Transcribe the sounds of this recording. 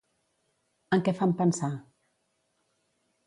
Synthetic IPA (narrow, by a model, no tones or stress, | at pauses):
əŋkɛfampənsa